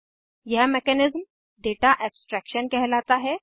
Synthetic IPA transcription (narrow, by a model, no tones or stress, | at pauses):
jɐɦmɛkɛnɪzm | ɖeːʈaʔɛːpsʈɾɛːkʃənkɛɦlaːt̪aɦɛː